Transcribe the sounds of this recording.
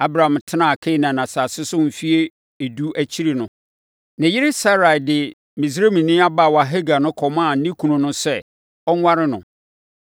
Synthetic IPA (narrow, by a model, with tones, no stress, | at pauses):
a˦bɾa˨ã˨mtʰɪ˦nã˨kʰe˦˨nã˨nã˨saː˨sɪ˦sʊ˦m̩˨fi˦e˦ | e˨du˦ʔæ˦t͡ɕʰi˦ɾi˨nʊ̃˦ | nɪ̃˨jɪ˦ɾɪ˦sa˦ɾa˨jdɪ˨ | mĩ˨sɾe˦mĩ˨nĩ˦a˦ba˦˨wa˨ɦɛ˦ɡa˨nʊ̃˦kʰɔ˨mã˦˨n̩˦nĩ˦kʰũ˨nʊ̃˦nʊ̃˦sɛ˦˨ | ɔ˦ŋ˦wa˦ɾɪ˦nʊ̃˨